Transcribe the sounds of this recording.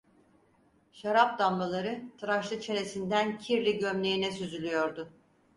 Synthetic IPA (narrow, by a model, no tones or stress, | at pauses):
ʃaɾap̚d̪amlalˠaɾɯt̪ʰɯɾaʃlˠɯt͡ʃʰe̞ne̞sind̪æncʰiɾlʲiɟømlʲe̞jinɛsyzylʲyjo̞ɾd̪ʊ